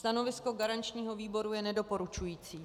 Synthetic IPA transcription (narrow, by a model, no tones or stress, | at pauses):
st̪ano̞vɪsko̞ɡaɾant͡ʃɲiːɦo̞viːbo̞ɾujɛnɛdo̞po̞ɾut͡ʃujiːt͡siː